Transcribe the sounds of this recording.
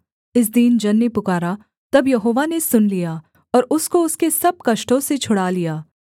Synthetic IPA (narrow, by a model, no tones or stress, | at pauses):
ɪs̬d̪iːnd͡ʒɐnːepʊkaːɾa | t̪ɐbjɐɦoːʋanesʊnlijaː | ɔːɾʊskoʊskesɐb̚kɐʃʈõset͡ʃʰʊɽaːlijaː